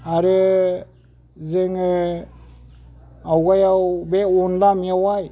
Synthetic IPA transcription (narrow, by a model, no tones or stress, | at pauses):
aɾɯ | zeŋ | awɡajawbeɔndamiawaj